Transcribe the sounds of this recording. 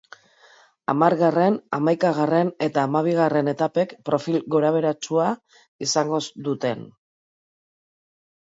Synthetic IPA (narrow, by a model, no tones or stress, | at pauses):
a̰maɾɣare̞namajkaɣ̞are̞ne̞t̪aːmaβ̞iɣ̞are̞ne̞t̪ape̞kpɾo̞filɣo̞ɾaβ̞e̞ɾat͡sua | isaŋɡo̞zd̪ut̪e̞n